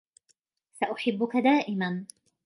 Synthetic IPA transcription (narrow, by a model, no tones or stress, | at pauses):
saʔʊħɪbːʊkad̪aːʔɪman